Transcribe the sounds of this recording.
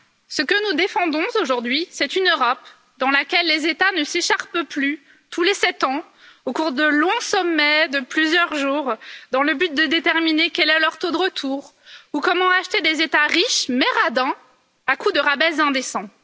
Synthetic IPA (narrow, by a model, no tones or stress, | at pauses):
səkənud̪efɑ̃d̪ɔ̃oʒuʁd̪ɥisɛt̪ynøʁɔp | d̪ɑ̃lakʲɛlːezet̪anəseʃaʁpply | t̪ʰulesɛt̪ɑ̃ | okuʁd̪əlɔ̃sɔmːɛd̪əplyzjœʁʒuʁd̪ɑ̃ləbyt̪̚d̪əd̪et̪ɛʁminekʲɛlɛlœʁt̪od̪əʁət̪ʰuːʁ | ukɔmɑ̃aʃt̪ed̪ezet̪aʁiʃmɛʁad̪ɛ̃ | akud̪əʁabɛzɛ̃d̪esɑ̃